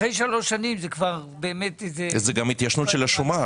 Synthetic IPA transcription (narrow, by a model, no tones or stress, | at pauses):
ejʃalo̞ʃːanimzekvaʁbeːme̞tezezeɡamit̪jaʃnut̪ʃelaʃuma